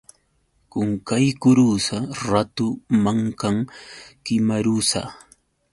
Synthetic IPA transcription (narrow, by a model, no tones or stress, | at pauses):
kʊŋkajkʊɾusaɾat̪ʊmaŋkaŋkɪmaɾusa̰